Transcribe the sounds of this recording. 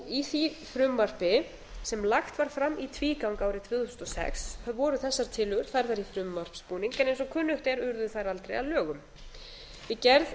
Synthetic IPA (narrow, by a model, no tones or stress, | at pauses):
iθifɾʏmvar̥pɪ | sɛmlaxt̪vaɾ̥fɾamːʔit̪ʰviːkawŋkaːwɾɪt̪ʰv̥ɪːθusʏ̥nt̪ɔsɛ̰kshvɔːɾʏθɛsːaɾ̥t̪ʰɪlʏɣʏɾ̥θajɾθaɾifɾʏmvar̥pspuːniŋkaɛnejnsɔkʰʏnːʏht̪ɛɾʏɾðʏθajɾalt̪ɾḛjaðlœːɣʏm | jɪcɛɾð